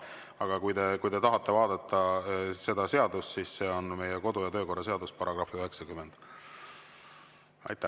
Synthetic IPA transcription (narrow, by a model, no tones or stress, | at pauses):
ɑɡ̥ɑkujt̪e̞kujt̪e̞t̪ɑɦɑt̪ˑːe̞vɑːd̪̥ɑt̪ˑːɑse̞d̪̥ɑse̞ɑd̪ust̪sisse̞onme̞jeko̞d̪ujɑt̪ø̞ːko̞rːɑse̞ɑd̪uspɑɾɑɡ̥rɑfiyɦe̞ksɑkymːend̪̥ | ɑ̰jt̪ːˑæ